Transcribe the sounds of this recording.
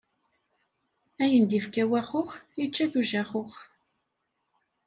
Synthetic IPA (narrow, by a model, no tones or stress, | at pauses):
æjənd̪ifkæwæχʊχjət͡ʃːæθuʒæχʊχ